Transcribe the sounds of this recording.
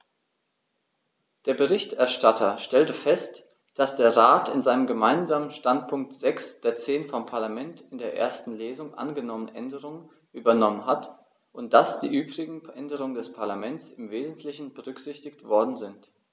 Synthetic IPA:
d̥eːɐbəʁɪçtɛɐʃtatʰɐʃtɛltəfɛst | d̥asd̥eːɐʁaːtɪnzaɪnəmɡəmaɪnzaːmənʃtant̚pʰʊŋk̚tz̥ɛksd̥eːɐt͡seːnfɔmpʰaɐlamɛntɪndeːɐʔḛːɐstn̩leːzʊŋʔa̰nɡənɔmənʔɛndəʁʊŋən | ʔyːbɐnɔmənɦat | ʔʊnt̚d̥asd̥ḭːʔyːbʁɪɡŋ̩ʔɛndəʁ̞ʊŋəndɛspʰaɐlamɛnt͡sɪmveːzn̩tʰlɪçn̩bəʁʏkz̥ɪçtɪktv̥ɔɐdn̩zɪnt

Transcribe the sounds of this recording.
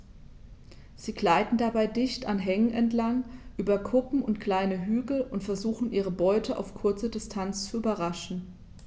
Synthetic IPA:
z̥iːɡlaɪtn̩dabaɪdɪçtanɦɛŋənɛntlaŋʔyːbɐkʰʊpm̩ʊntkl̥aɪnəɦyːɡl̩ʊntfɛɐzuːxn̩ʔiːʁ̞əbɔʏtʰəʔa̰ʊfkʰʊɐt͡sədɪstʰant͡st͡suyːbɐʁaʃn̩

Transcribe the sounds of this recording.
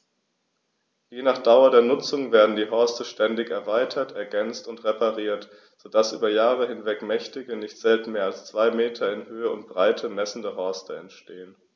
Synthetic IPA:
jeːnaːχd̥aʊɐdeːɐnʊt͡sʊŋveːɐdn̩diːɦɔɐstəʃtɛndɪçɛɐvaɪtʰɐtɛɐɡɛnt͡stʊntʁepaʁiːɐt | z̥odasʔyːbɐjaːʁəhɪnvɛkmɛçtɪɡənɪçtz̥ɛltn̩meːɐalst͡sv̥aɪmeːtʰɐɪnhøːəʊnt̚b̥ʁaɪtʰəmɛsn̩dəɦɔɐstəɛntʃteːən

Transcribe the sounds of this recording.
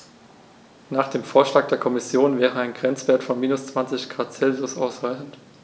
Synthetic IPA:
naːχd̥eːmfoːɐʃlaːk̚d̥eːɐkʰɔmɪsjoːnvɛːʁəaɪnɡʁɛnt͡sv̥eːɐtfɔnmiːnʊst͡sv̥ant͡sɪçɡ̥ʁaːtt͡sɛlzʊsaʊsʁaɪçn̩t

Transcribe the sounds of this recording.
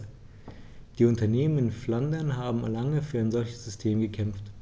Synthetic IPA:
d̥iːʊntɐneːmənɪnflandɐnɦaːbm̩alaŋəfyːɐaɪnzɔlçə̥sz̥ʏstʰeːmɡəkʰɛmft

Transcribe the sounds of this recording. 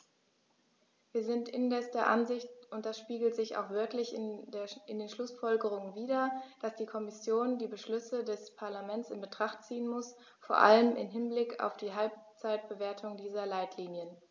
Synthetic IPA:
viːɐzɪntɪndɛsd̥eːɐʔa̰nzɪçtʊnt̚d̥asʃpiːɡl̩tz̥ɪça̰ʊxv̥ɪɐklɪçndɪndeːnʃlʊsfɔlɡəʁ̞ʊŋənviːdɐd̥asd̥iːkʰɔmɪsjoːndiːbəʃlʏsədɛspʰaɐlamɛntt͡sɪnbətʁ̥aχtt͡siːənmʊs | foːɐʔa̰ləmʔɪ̰mɦɪnblɪka̰ʊfd̥iːɦalp̚t͡saɪt̚b̥əveːɐtʰʊŋdiːzɐlaɪtʰliːnjən

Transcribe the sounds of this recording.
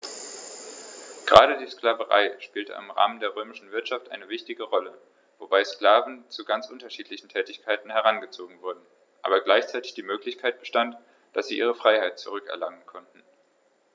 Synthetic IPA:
ɡ̥ʁaːɾədiːskl̥aːvəʁa̰ɪʃpiːltə̰ʔɪ̰mʁa̰ːməndeːɐʁ̞øːmɪʃn̩vɪɐtʃaftʔa̰ɪnəvɪçtɪɡəʁɔlə | v̥obaɪsklaːvn̩t͡suɡant͡sʔʊntɐʃiːtlɪçn̩tʰɛːtɪçkʰaɪtn̩hɛʁ̞anɡət͡soːɡŋ̩vʊɐdn̩ | ʔa̰ːbɐɡlaɪçt͡saɪtɪ̥çd̥iːmøːklɪçkʰaɪt̚b̥əʃtant | d̥asz̥iːʔiːʁəfʁ̥aɪhaɪt̚t͡suʁ̞ʏkɛ̰ɐlaŋənkʰɔntn̩

